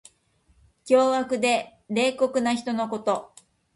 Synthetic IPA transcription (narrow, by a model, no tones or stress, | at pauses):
kʲo̞ːβakɯ̟d̪e̞ɾe̞ːko̞kɯ̟naçi̥t̪o̞no̞ko̞t̪o̞